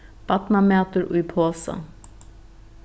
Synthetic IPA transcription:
b̥ɑt̪nɑmeːt̪əɹʔṵipʰoːsə̰

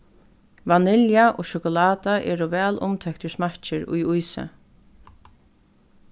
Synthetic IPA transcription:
ʋanɪljaʔoːʃʊkʊlɑːt̪aʔɛ̰ːɾɔʋɛːlʔʊ̰mt̪ʰœkt̪əsmat͡ʃɪɹʊ̰jʊjsə̰

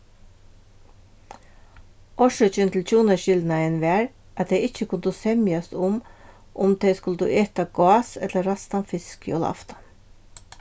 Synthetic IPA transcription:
ʔɔʃœt͡ʃʏnt̪l̩tʰuːnəʃɪld̪nɑɛnʋæːɹ | ʔɑt̪̚d̪eɪɪçəkʰʊnd̪uːsɛmjɑsʊm | ʔʊmd̪eɪskʉləd̪ʉ̰ːʔeːt̪ɑɡ̥ɑːsɛt̪ləɾɑst̪ɑnfɪsko̰lɑ̰ft̪ɑ̥

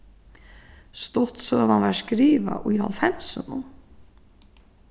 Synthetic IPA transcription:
st̪ɔt̪søːvanvaɹskɾiːva̰ʔujhɔ̰lfɛm̥sənʊ

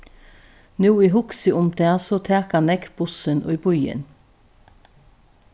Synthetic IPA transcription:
nuːiːhʊksəʊmd̪eːsoːt̪ʰæːkɑnɛkb̥ʊsənʔo̰ːiːbɔʏə̰n

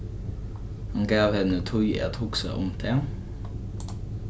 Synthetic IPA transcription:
hɑnɡɑːʋhɛnət̪ʰʊʏḛːt̪ʰhʊːksɑ̰ʔʊmt̪ʰeː

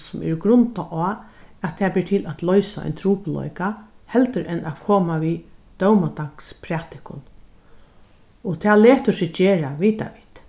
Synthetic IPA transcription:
sʊmɛ̰ɹɡɾʊnt̪aʔɔːat̪ʰːɛːbɪːɾʈʰɪlæt̪lœʏsaa̰ɪnt̪ʰɾuːplɔ̰jkahɛlt̪əɾʔɛnʔakʰoːmaʋid̪̥œwmat̪aŋ̥kspʰɾat̪ɪkʊ̰n | ɔt̪ʰæːleːt̪əsɪd͡ʒeːɾaʋiːt̪a̰ʋiːt̪

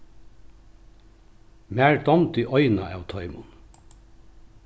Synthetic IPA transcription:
mæːɹd̪ɔnt̪iʔɔʏnaaːwt̪ʰɔʏmʊn

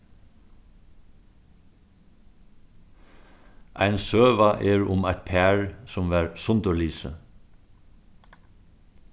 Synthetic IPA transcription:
ʔæ̰ɪnsøːʋaʔeːɹʊmæɪt̪̚pʰæːɹsʊmʋæːɹsʊnt̪əliːsə̰

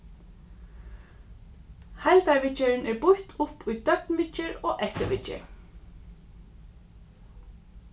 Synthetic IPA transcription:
hajlt̪aɹʋɪt͡ʃəɾnɛɹbʊht̪ʰʊpʰʊjd̪œpnʋɪt͡ʃəɹoːʔɛht̪əʋɪt͡ʃɪ̰

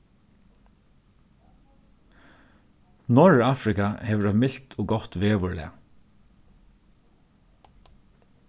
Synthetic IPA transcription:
nɔɹaːfɾɪkaheːʋəɹɛmɪɬt̪ʰoːɡɔt̪ʋeːʋʏɹɭlɪ̰a̰

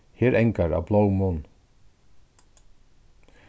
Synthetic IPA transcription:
heːɾɛŋkaɾa̰blowmʊn

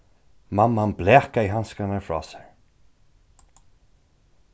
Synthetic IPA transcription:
mamːanblɛːkaiɦanskanafɹɔ̰ːsḁɹ

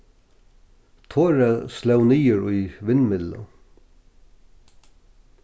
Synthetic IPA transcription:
t̪ʰoːɾaslœwniːəɾʊjʋɪnmɪd̪lʊ̰

